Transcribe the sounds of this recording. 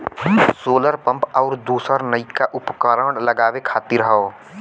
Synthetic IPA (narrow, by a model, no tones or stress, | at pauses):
soːləɾpə̃mpɔːɾd̪uːsəɾnəɪkːaʔʊpkəɾəːɖləɡaːwekʰaːt̪iɾɦəo